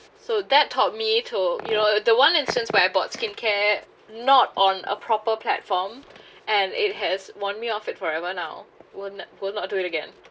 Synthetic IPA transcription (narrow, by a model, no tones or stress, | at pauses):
sod̪ɛtʰːɔt̚mitʰujunodəwãnɪ̃nstə̃nswɛaɪɡɔt̚skɪ̃nkʰɛ | nɔtɔ̃nə̰pʰɹɔpəpʰlɛ̰tfɔmʔɛ̃nɪ̰t̚ɦɛswɔ̃nmiɔfɪtfɔɹɛvənaʊwɪlnwɪlnɔt̚duɪtəɡɛ̰̃n